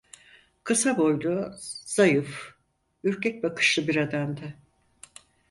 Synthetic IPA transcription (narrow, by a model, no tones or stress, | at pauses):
kʰɯsabo̞jlˠuz̥ajɯf | yɾcʰɛc̚bakʰɯ̥ʃlˠɯbiɾad̪amd̪ɪ